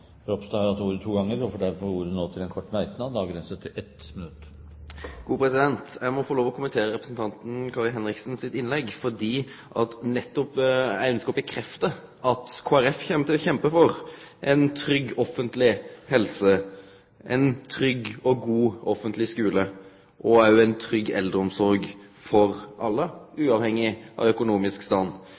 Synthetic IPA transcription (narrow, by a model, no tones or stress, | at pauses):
ɾɔpst̪ɑhɑɾɑt̪uːɾət̪ʰuːɡɑŋːəɾɔfɔɖæɾfɔɾuːɾd̪ʉnoːt̪ʰɪlɛnkʰɔʈːmæɪt̪nɑʋd̪ɑːɡɾɛnsət̪ʰɪlʔɛt̪mɪnʉt̪ː | ɡ̥uːpʰɾɛsɪd̪ɛnt̪jæɪmɔfɔɾloːʋɔkʰʊmənt̪ʰeːɾəɾɛpɾəsn̩t̪ʰɑnt̪n̩kʰɑːɾlɦɛnɾɪksn̩sɪt̪ɪnlɛɡfɔd̪iː | ʔɑ̰t̪nɛt̪ːɔpæ̰ɪœnskəɔbəkʰɾɛft̪ə | ʔɑt̪kʰoːæɾɛfçɛmt̪əçɛmpəfɔɾʔɛɪnt̪ʰɾʏɡːɔfənt̪lɪhɛlsə | ʔɛ̰nt̪ʰɾʏɡːɔɡuːɔfənt̪lɪskʉːlə | ʔɔæɾjʊæɪnt̪ʰɾʏɡːɛ̰ld̪əɔmsɔɾɡ | fɔɾʔɑlːəʉːɑʋhɛŋːɪʔɑ̰ʋœkʊnuːmɪskst̪ɑnː